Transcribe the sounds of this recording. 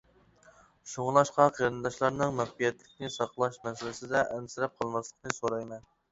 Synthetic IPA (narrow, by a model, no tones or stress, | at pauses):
ʃoŋlˠɑʃqɑqʰeɾɨnd̪ɑʃlˠɑɾnɨŋmæχbijɛt̪lɪkʲnɪsɑqlˠɑʃmɛsɪlɪsɪd̪ɛʔɛnsɪɾɛp̚qʰɑlˠmɑslˠəqnɨsoɾɑjmɛn